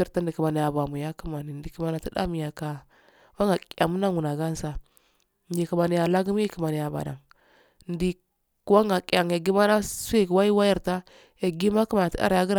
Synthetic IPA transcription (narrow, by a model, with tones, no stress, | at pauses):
i˨ɾta˦ndi˨ki˨ma˨ni˨ja˨ba˨mu˨ja˦ku˦ma˨ni˨n˦di˨ki˨ma˨na˨ti˦da̰˦mi˨ja˨ka˨ | wa˦ŋɡa˨kja˨mu˦na˦ŋu˨na˨ɡa˦n˦sa˨ | n˦di˨ki˨ma˨ni˨ja˨la˦ɡu˦m˦ji˦ki˨ma˨ni˨ja˨ba̰˨da̰˨ŋ | n˦di˨ | kwa˦ŋɡa˨kʼa˨ŋ˨ja˨ɡi˦ma˦na˦su˦i˦˨kwa˦ji˦wa˦ji˦˨ɾta˦ | ja˨ɡi˦ma˦ki˦ma˨na˨ti˦da̰˦ɾja˦ɡi˦ɾ